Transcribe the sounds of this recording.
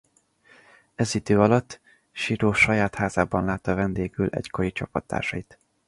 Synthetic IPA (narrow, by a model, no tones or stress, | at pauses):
ɛzid̪øːɒlɒt̪ː | ʃiɾoːʃɒjaːt̪haːzaːbɒnlaːt̪ːɒvɛnd̪eːɡylʔɛ̰ckoɾit͡ʃɒpːɒt̪ːa̰ːrʃɒit̪